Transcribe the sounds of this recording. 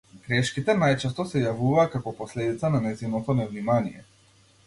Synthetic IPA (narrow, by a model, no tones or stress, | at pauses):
ɡ̥ɾɛʃkit̪ɛnajt͡ʃɛst̪ɔsɛjavuvaːkakɔpɔslɛd̪it̪sananɛzinɔt̪ɔnɛvnimanijɛ